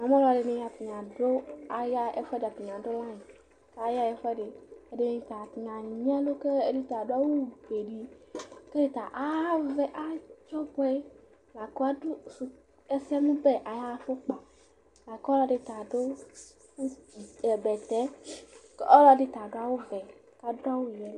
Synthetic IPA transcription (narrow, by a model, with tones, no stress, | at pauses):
nã˨mẽ˦lɔ˨ɖe˨nẽ˨ja˨t̪i˨ɲã˨ɖo˦a˨ja˦ḛ˦fɛ˦de˨a˨pe˨ɲ˨ã˨do˦lã˦ɲi˨˦ | a˨ja˦e˨fɛ˦ɖe˨e˦ɖe˦nẽ˨t̪a˨ŋã˨nĩ˨ɲ˦ɛ̃˦lo˦ke˦e˦ɖe˦t̪a˨ɖo˦a˦wo˦be˨ɖi˨ke˦de˦t̪a˨ʔa˦ve˦ʔa˦t͡ʃɔ˦bɔ˦ɛ˦ | la˨ko˦a˦ɖo˦su˨ | e˦sɛ˦nũ˦be˦ʔa˨ja˦˨fo˦k͡pa˨ | la˨kɔ˦lɔ˦ɖe˦t̪a˨ɖo˦ | u˦e˨bɛ˨t̪ɛ˦ke˦ʔɔ˦lɔ˦ɖe˦t̪a˨ɖo˦a˦wo˦vɛ˨k̪a˨do˦a˦wo˦jɛ˨˦